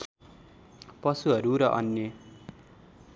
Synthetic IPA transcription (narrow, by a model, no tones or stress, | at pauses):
pʌsuɦʌɾuɾʌʔʌ̰njʌ